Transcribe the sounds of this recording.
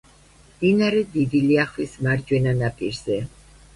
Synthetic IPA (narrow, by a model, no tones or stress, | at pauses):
md̪̥inaɾɛd̪id̪iliaχwismaɾd͡ʒwɛnanapʼḭɾz̥ɛ